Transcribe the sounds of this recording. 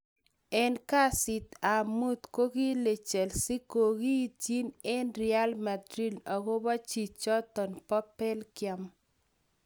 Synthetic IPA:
ɛ˦nka˦si˨t̪a˨mu˦t̪ko˦ɡi˦le˨t͡ʃɛ˨lsi˦ko˨ɡi˦ti˦nɛ˦nɾɪa˦lma˨dɾi˦da˨ɡo˦ba˦t͡ʃi˨t͡ʃɔ˦t̪ɔ˨npɔ˦pɛ˦lkja˦m

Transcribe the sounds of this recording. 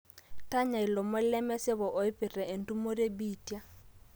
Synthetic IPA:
ta˦ɲa˨i˨lɔ˨mʊ˦lɛ˦mɛ˦sɪ˦βɔ˨ʔɔ˨ɪ˦pɪ˨rɛ˨ʔe˨n̩˨tu˦mo˦ɾe˦biː˦˨tja˦

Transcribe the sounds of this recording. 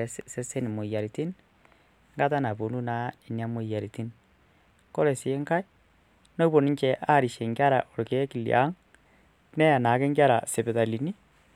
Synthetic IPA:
se˦se˦ni˨mo˨i˨ja˨ɾi˨ti˦n | ŋɡa˦ta˦na˨βo˨nu˦na˨˦e˨ni˨˦a˦mo˨i˨ja˨ɾi˨ti˦n | ko˦ɾe˨si˨e˦ŋka˦i˦ | no˦bo˨ni˦ɲt͡ʃɛ˨ʔa˦˨ɾi˨ʃe˨ŋɡa˦ɾa˨ʔo˨ɾke˨˦ki˨lj̰ʔa̰˦ŋ | nɛ˦ja˨na˨ke˦ŋɡa˦ɾa̰˨se˨pe˨ða˨li˨ni˦

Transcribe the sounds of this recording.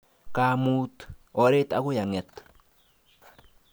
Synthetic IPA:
ka˨mu˦tɔ˨ɾe˦ta˦kʊ˦ja˨ŋɛ˨t̪

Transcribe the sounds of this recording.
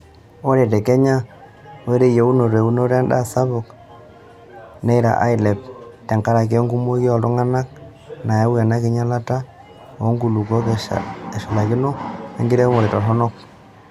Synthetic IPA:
o˦ɾe˨te˨ke˦ɲa˦ | we˦ɾe˦je˨u˦no˨ɾe˨u˦no˦ɾa˦nda̰˦˨sa˦βʊ˨k | ne˦ɾa̰˨ʔa̰˦jlɛ˨p̚te˨ŋka˦ɾa˨k̬e˦ŋɡu˦mo˦kjɔ˨ltʊ˦ŋa˦na˦k̚ | na˨je˦wa˨na˦kɪ˦ɲa˦la˦ta˦ | o˨˦ŋɡu˨lu˨ko˦ke˨ʃa˨la˨kɪ˦no˦a˦ŋɡɪ˦ɾe˦mo˨ɾe˨tɔ˨ɬɔ˦nɔ˦k̚

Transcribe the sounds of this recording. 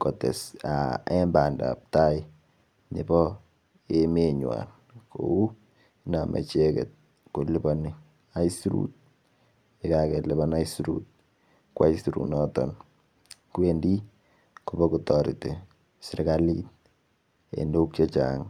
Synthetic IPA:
kɔ˨tɛ˨saɛ˦mba˨nda̰˨p̚ta˦ɪ | nɪ˨bɔ˦ | emeɲwa̰n | ko˨u˦ | na˨mʔɛ̰˨t͡ʃe˦kɛ̰t̚ | ku˨li˦bɔni | a˦jsɾṵt̚ | ekakɛ˨lɪ˦bɔna˦jsɾṵt̚ | kwa̰˦isi˨ɾṵnɔ˦tɔn | kwendi˦ | kubɔ˦kutɔɾi˨te˨ | si˨ɾkalit | ḛ˨ndo˦k̚t͡ʃe˦t͡ʃaŋ

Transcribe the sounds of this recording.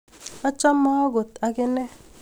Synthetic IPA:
ɔ˦t͡ʃɔ˦mɔ˦ɔ˦ɡo˨t̪a˨kɪ˦nɛ˦

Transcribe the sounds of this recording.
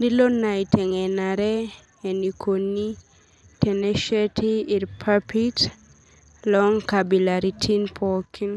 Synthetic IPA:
di˦lo˦na˨itʰɛ˨ŋɛ˨na˨ɾɛ | e˨ni˨kʰo˨ni | tɛ˨nɛ˦ʃɛ˦tʰiː˨ɾpʰapʰit | lɔŋkabi˨laɾitʰinpʰɔkʰi˦n

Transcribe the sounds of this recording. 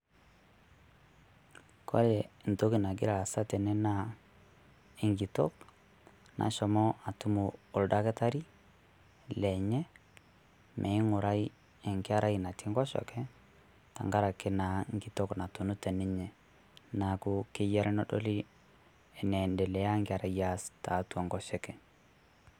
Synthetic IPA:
kʰɔ̰˦lɛ˨nto˦ki˨na˨ɡɪ̰˦ɾa˨sa˦tɛ˨nɛ˦na˨ | ɪ˨ŋɡi˨to̰˦k | nʔa̰˨ʃɔ˨mɔ˦a˨tu˦muː˨da˦kɛ˦ta˦ɾi˦ | lɛ˨ɲɛ˦ | mʔɛ˨i˦ŋʊ˨ɾa˦i˦ | ɛ˨ŋkɪ˦a˦ɾa˦i˨na˨ti˦ŋɡɔ˦ʃɔ̰˨kɛ˦ | ta̰˨ŋɡa˦ɾa˨ke˦na˨ŋɡi˨tɔ˦kna˨tu˨nu˦tɛ˨ni˦ɲɛ˨ | na˨ku˦kɪ˦ja˦ɾʔɛ˦nɔ˦dɔ˦li˦ | ɛ˨nɛ˨ndɛ˨lɛ˨a˦ŋɡɪ˦a˨ɾa˨ja˦sta˨˦tɔ˨ŋɡɔ˦ʃɛ˦kɛ˨

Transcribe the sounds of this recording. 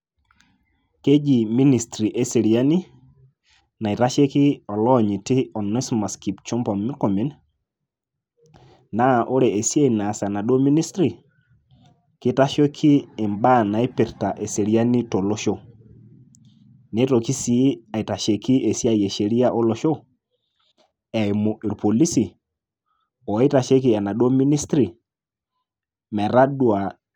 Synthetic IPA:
ke˦d͡ʒi˨mi˦ni˨stɾi˨ʔe˦se˨ɾi˨a˦ni˦ | na˨i˨ta˦ʃe˦kɪ˦ɔ˨lɔ˦˨ɲi˨tɪ˦ɔ˨ne˦sma˨ski˨pt͡ʃo˦mbɔ˨mːɪ˦ko˨mi˨˦n | na˦˨ʔo˦ɾe˨e˨sje˦i˨na˨sa˨na˨do˦mi˦ni˦stɾi˨ | kɪ˦ta˦ʃo˦kʰɪː˦˨mba˦˨na˨i˦pɪ˨ɾta˨ʔe˨se˨ɾja˦ni˦to˨lo˦ʃo˦ | ne˦to˨ki˦si˦a˨i˨ta˨ʃe˨kʰi˦e˨si˦a˨je˨ʃe˨ɾi˦a˦ʔɔ˦lɔ˦ʃo˦ | ɛ˨ɪ˨mo˨i˨ɾpo˨li˦si˨ | ɔ˨˦ta˨ʃe˦kɪ˦˨a˨na˨ɗwo˦mi˦ni˦stɾi˨ | mɛ˨ɾa˦dwa˨

